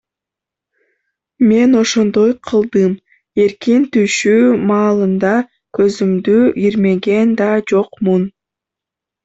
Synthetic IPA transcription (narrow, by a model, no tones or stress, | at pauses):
me̞no̞ʃo̞nd̪o̞jqʰɯlˠd̪ɯm | e̞ɾkint̪yʃyːmɑːlˠɯnd̪ɑ | kø̞zymd̪yʔiɾme̞ɡe̞nd̪ɑd͡ʒo̞qmun